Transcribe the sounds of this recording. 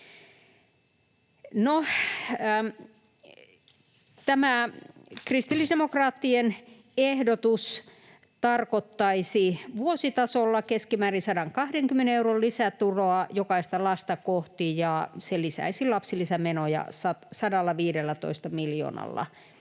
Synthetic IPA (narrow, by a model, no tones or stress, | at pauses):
no | t̪æmækrist̪ilːisdemokrɑːt̪ːien | ehdot̪us | t̪ɑrkot̪ːɑisiʋuosit̪ɑsolːɑkeskimæːrinsɑdɑŋkɑhdeŋkymːeneeurollisæt̪uroɑjokɑist̪ɑlɑst̪ɑkoht̪ijɑselisæ̰isilɑpsilisæmenojɑ̰sɑt̪sɑdɑlːɑʋiːɾelːæt̪o̰ist̪ɑmiljo̰ːnɑ̰lːɑ̰